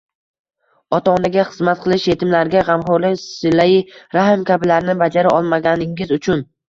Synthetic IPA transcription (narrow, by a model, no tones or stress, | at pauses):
ɒt̪ʰaɒnaɡʲaχɨzmat̪̚qʰɨlˠɪʃje̞t̪ʰɪmlaɾɡʲaʁɑmχʊɾlɪksɪlːaiɾahɪmkʲʰabɪlaɾɪnɪbad͡ʒaɾaʔɒlˠmaɡʲanɪŋɪzʊt͡ʃʰʊn